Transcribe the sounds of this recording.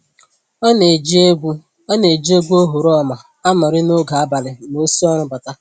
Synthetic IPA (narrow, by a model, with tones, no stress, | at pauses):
n˨d͡ʒɡʷu˦ | ne˨d͡ʒi˦e˦ɡʷu˦o˦ɦu˨ɾɔ˦ma˨ | a˦mʊ˨ɾɪ˦no˦ɡa˨a˦ba˨lɪ˨m˨o˦si˦ɔ˦ɾ̃ʊ˦ba˨ta˦